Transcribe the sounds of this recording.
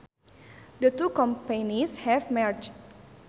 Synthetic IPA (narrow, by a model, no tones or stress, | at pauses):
dət̪ukɔ̃mpenishɛfmɛrt͡ʃ